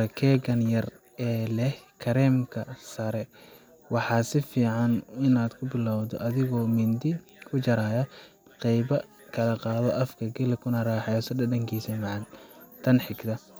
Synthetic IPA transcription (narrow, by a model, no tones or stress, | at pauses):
ɐkʰɛːɡɐnjɐr | ɛːlɛhkʰɐɾɛːmkʰɐsɐɾɛ | wɑħɑːsɪfiːʕɑnɪnaːd̪kʰʊbɪlawd̪ɔʔɐðɪɣɔːmɪnd̪ɪ | kʰʊt͡ʃɐɾaːjɐ | qɛjbɐ | kʰɐlɐqɑːðɔʔɐfkʰɐɡɛlɛkʰʊnɐɾaːħɑjsɐdɐdɐŋkʰiːsɐmɑʕɑnt̪ʰɐnħɪɡt̪ʰɐ